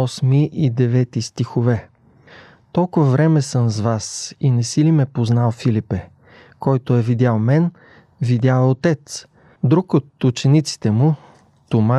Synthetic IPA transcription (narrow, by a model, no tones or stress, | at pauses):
ɔsmiʔid̪ɛvɛt̪ist̪ixovɛ | t̪ɔlˠkʊvɐvɾɛmɛsəmzvasinɛsilimɛpoznalˠfilipɛ | kɔjt̪oɛvid̪ʲalˠmɛn | vid̪ʲjalˠot̪ɛt̪s | d̪ɾukot̪ut͡ʃɛnit̪si̥t̪ɛmʊ | t̪oma